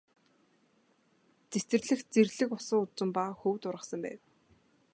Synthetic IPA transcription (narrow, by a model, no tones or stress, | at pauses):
t͡set̪ɘ̆rɮɘ̆xt͡serɮɘ̆kʊsə̆ŋʊt͡sə̆mpaxɵwt̪ʊrʁə̆sə̆mpæ̰ːw